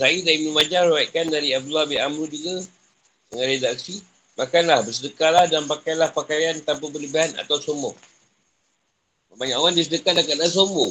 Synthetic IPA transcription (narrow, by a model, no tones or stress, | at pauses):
sajidaimə̃mad͡ʒaɾwaiʔkandaɾiaf̚dulabiʔamɾud͡ʒuɡa | dəŋanedak̚si | makanlahbəsədəkalahdanpakalahpakajant̪ampəbərləbiɦana̰t̪awsomɔ | əbaɲaʔowandisədəkadakaʔlas̬ombɔ